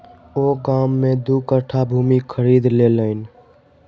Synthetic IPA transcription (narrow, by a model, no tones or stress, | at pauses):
oɡamːẽd̪ukəʈʰabʱuːmikʰəɾid̪leləɪn